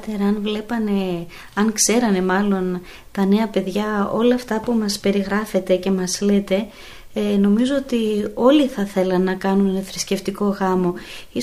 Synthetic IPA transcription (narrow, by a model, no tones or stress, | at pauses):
t̪eɾɐɐnvle̞pɐne̞ | ɐŋkse̞ɾɐne̞mɐlo̞n | t̪ɐne̞ɐpe̞ðʝɐo̞lɐːft̪ɐpumɐspe̞ɾiɣɾɐfe̞t̪e̞ce̞mɐzle̞t̪e̞ | eno̞mizo̞ot̪io̞liθɐθe̞lɐnːɐkɐnuneθɾisce̞ft̪iko̞ɣɐmo̞ | i